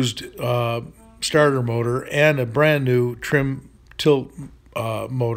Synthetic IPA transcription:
zd | stɑɹɾə˞moʊɾə˞ʔɨ̃nɨbɹæ̃nːʉtʰɹ̥ɪ̃m | tʰɪlˠt̚ | moʊɾ

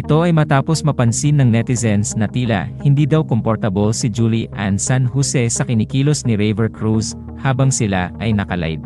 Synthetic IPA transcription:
ʔɪt̪o̞ɐjmɐt̪aːpo̞smɐpɐnsinːɐŋnɛt̪ɪsɛnsnɐt̪iːlɐ̰hɪnd̪iːd̪awkompoɾt̪ɐbolsɪd͡ʒuliʔa̰nsanhusɛsɐkɪnikiːlosnɪɾejvɛɹkɹus | haːbɐŋsɪla̰ʔɐjnɐkɐla̰jd̪̚

